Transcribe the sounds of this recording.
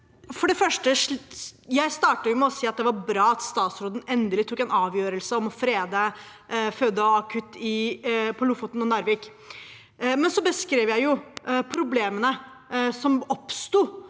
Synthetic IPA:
fɔɖɛfœʂʈəʂjæɪst̪ɑːʈɑjʊmɛɔsiːɑt̪̚d̪ɛʋɑɾbɾɑːɑt̪st̪ɑːt̪sɾoːd̪n̩ɛnd̪əlɪt̪ʰʊkːɛnɑːʋjøːɾəlsəɔmɔfɾeːd̪ə | føːd̪ːəɔɑkʰʉt̪ːɪpʰɔlʊfɔt̪nɔnɑɾʋiːk | mɛnsɔbəskɾeːʋjæɪjʊpʰɾʊbleːmənə | sɔmɔpst̪uː

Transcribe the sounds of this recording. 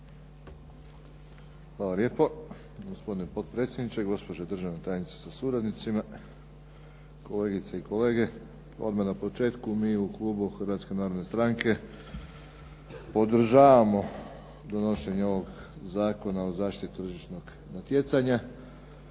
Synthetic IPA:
xʋaːlalje̞ːpo | ɡospo̞d̪inepo̞d̪̚pɾet̪sjed̪nit͡ʃeɡo̞spod͡ʑed̪r̩ʒaʋnet̪aːjenit̪se̥sasuɾad̪nit̪sima | ko̞le̞ːɡit̪seiko̞le̞ːɡe̞ | o̞̰d̪manapo̞t͡ʃe̞ːt̪kumiːuklˠuːbuxrɾʋat̪ske̞naːɾod̪nest̪ɾaŋke̞ | po̞d̪r̩ʒaːʋamo̞ | d̪o̞noʃe̞ɲeo̞ʋo̞ɡzaːko̞naozaːʃt̪it̪t̪r̩ʒiʃno̞ɡ | nat̪je̞t̪saɲa

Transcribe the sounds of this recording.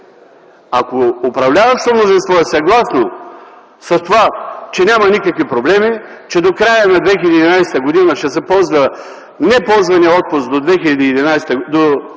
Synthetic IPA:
akoːpɾɐvlʲavɐʃt̪omnozinst̪vɔɛsɐɡlˠasno | sɐst̪ovat͡ʃɛnʲamɐnikəkvipɾoblɛmi | t͡ʃɛd̪okɾajənad̪vɛxilʲɐd̪iːd̪inajsɛ̥t̪əɡod̪inəʃt̪ɛsɛpɔlˠzvə | nɛpɔlˠzvɐniəɔt̪̚pʊst̪d̪od̪vɛxilʲɐd̪iːd̪inajsɛt̪əd̪o

